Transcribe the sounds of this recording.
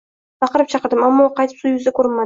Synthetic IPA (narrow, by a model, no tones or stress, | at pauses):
bɑqɨɾɪp̚t͡ʃʰɑqəɾd̪ɪmamːɒqʰɑjt̪ʰɪ̥psʊjʊzakʰɵɾɪnma